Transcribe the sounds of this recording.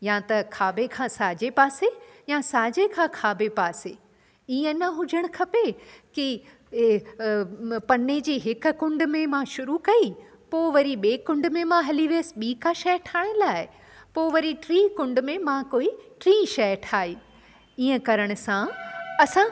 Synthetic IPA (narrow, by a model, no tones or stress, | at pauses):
jãt̪ɐkʰaːbekʰãsaːd͡ʑepaːsejãsaːd͡ʑekʰãːkʰaːbepaːse | iːə̃nɐɦʊd͡ʑʱəɽ̃ʊkʰɐpeki | pɐned͡ʑiːɦɪkʊ̆kʊ̃ɳɖmẽmãʃʊɾukɐi | poːʋɐɾiɓeːkʊ̃ɳɖmẽmãɦɐliʋeəsɓiːkaʃɐjʈʰaːɪɽ̃laːɦɪ | poːʋɐɾiʈɾiːkʊ̃ɳɖmẽmãkoːiʈɾiːʃɐjʈʰaːiː | iːə̃kɐɾəɽ̃ʊ̆sãɐsã